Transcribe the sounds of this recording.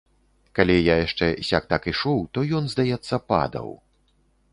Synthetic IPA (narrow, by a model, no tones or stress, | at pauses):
kalʲijajaʂt͡ʂɛsʲak̚t̪akiʂuwt̪ɔjɔnzd̪ajɛt̪sːɐpa̰d̪ɐ̰w